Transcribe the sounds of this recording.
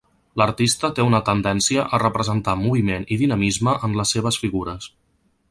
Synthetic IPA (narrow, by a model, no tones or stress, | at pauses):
ləɾt̪ist̪ət̪eunət̪ənd̪ɛnsiəʔərəpɾəzənt̪amuβ̞imeniðinəmizməʔəmləsːeβ̞əsfiɣuɾəs